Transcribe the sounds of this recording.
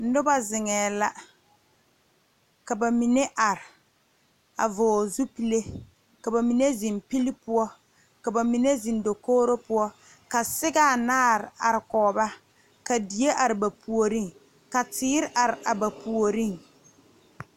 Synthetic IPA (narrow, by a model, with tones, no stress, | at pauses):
n̩˦dʊ˦ba˦zɪ˨ŋɛː˨la˦ | ka˨ba˨mi˨ne˦ʔa˨ɾɪ˨ | a̰˨vʊː˨zu˦pi˦le˦ | ka˨ba˨mi˨ne˦zi˨mpi˦li˦pʊ˦ɔ˦ | ka˨ba˨mi˨ne˦zi˨ndo˨koː˦ɾo˦pʊ˦ɔ˦ | ka˨sɪ˦ɡa˦˨naː˦˨ɾɪ˨a̰˨ɾɪ˨kɔː˨ba˦ | ka˨di˨je˦ʔa˨ɾɪ˨ba˨pu˨o˨ɾi˦ŋ | ka˨tɪː˦ɾɪ˦ʔa˨ɾɪ˨a˨ba˨pu˨o˨ɾi˦ŋ